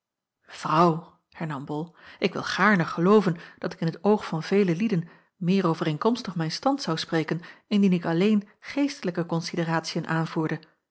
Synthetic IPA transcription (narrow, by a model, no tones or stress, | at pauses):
v̥rʌw | hɛɹnɑmbɔlˠʔɪkʋɪ̰lˠχaːɹnəχəlowvənd̥ɑtɪkɪnɦətowχfɑnv̥ejləlidən | mɪːɾowvərejnkɔmstəχmɛjnstɑntsɑwsprejkənɪndinɪkɑlejn | χejstələkəkɔnsidiraːtsijənʔaːnvuːɹdə